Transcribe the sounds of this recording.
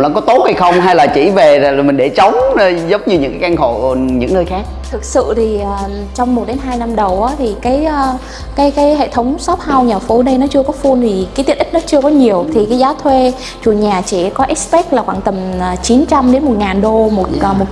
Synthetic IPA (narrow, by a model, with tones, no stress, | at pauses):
la̰ː˧˨˥ŋkɔ˨˦t̪o˦˥t̚ha˧jxə˧wŋ͡mɦa˧jlaː˨˩t͡ɕḭ˧˩ve˨˩˨mï˨˩ŋ̟ɗe˧˩t͡ɕə˨˦wŋ͡mzə˨˦wŋ͡mɲɨ˨˩ɲɨ̰˧˥ŋkaː˨˦jʔaː˧ŋxo̰˧˨˧ɲɨ̰˧˥ŋnəː˧jxaː˦˥k̚t̪ʰɨ˨˩k̚sɨ̰˧˨t̪ʰi˨˩ʔəː˨˩ | t͡ɕɔ˧wŋ͡mmo˨˩t̚ɗe˨˦nɦaː˧jna˧mɗə˨˩wʔaː˨˦t̪ʰi˨˩kaː˨˦j | kaː˨˦jkaː˨˦jɦḛ˧˨t̪ʰə˨˦wŋ͡msɔ˦˥p̚ha˧wɲaː˨˩fo˨˦ɗə˧jnɔ˨˦t͡ɕɨ˧əkɔ˨˦fu˧nt̪ʰi˨˩kaː˨˦t̪i˧˩əʔi˦˥k̚nɔ˨˦t͡ɕɨ˧əkɔ˨˦ɲi˨˩əwt̪ʰi˨˩kaː˨˦jzaː˨˦wt̪ʰwe˧ | t͡ɕu˨˧˩ɲaː˨˩t͡ɕḭ˧˩kɔ˨˦ʔɛ˦˥spɛ˦˥k̚laː˨˩xwa̰ː˧˩ŋt̪ə˨˩mː˨˩t͡ɕi˨˦nt͡ɕa˧mɗe˨˦nmo˨˩t̚ŋaː˨˩nɗo˧mo˨˩t̚ːmo˨˩